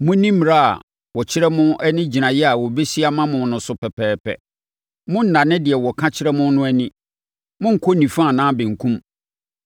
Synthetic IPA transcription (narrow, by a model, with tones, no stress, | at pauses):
mʊ̃˦nĩ˦m˨ɾa˦˨a̰˨ | wɔ˨t͡ɕʰɪ˦ɾɛ˦mʊ̃˦ʔɛ˦nɪ̃˦d͡ʑi˨nã˨jɛ˦a˨wɔ˨be˦si˦a˦mã˦mʊ̃˨n˦nʊ̃˨sʊ˦pʰɛ˨pʰɛː˨pʰɛ̰˨ | mʊ̃˦n̩˨nã˨nɪ̃˦dɪ˨ɛ˨wɔ˨kʰã˦t͡ɕʰɪ˦ɾɛ˦mʊ̃˦nʊ̃˦æ˦nĩ˦ | mʊ̃˦ŋ̩˨kʰɔ˦nĩ˨fã˦˨nãː˦bɪ̃˨ŋ̩˨kʰũ˦m